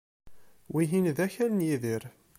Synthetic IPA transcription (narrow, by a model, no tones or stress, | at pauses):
wiɦinðæçælənjiðiɾ